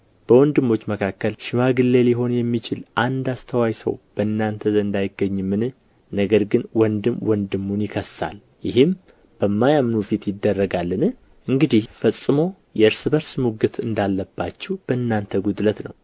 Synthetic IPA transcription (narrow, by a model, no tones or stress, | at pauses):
b̥əwɔnd̪ɨmːo̞t͡ʃːməkʰakːəlʃɪmaɡɨlːeliɦo̞njɛmːit͡ʃʰɪlʔand̪ast̪ʰəwajsə̰wb̥əɨnːant̪ʰəzɨnd̪ajɪɡːəɲːɨmːɨnɨ | nəɡəɾɡɨnwɔnd̪ɨmwɔnd̪ɨmːunjɪkʰəsːa̰l | jɪɦɪm | b̥əmːajamnufit̪jɪd̪ːərːəɡalːɨnɨ | ʔɨŋɡɨd̪ihfəsʼːɨmo̞ | jɛɨɾsɨbəɾsmuɡɨt̪ʰɨnd̪alːəbːat͡ʃːɛwb̥əɨnːant̪ʰəɡud̪lət̪nə̰w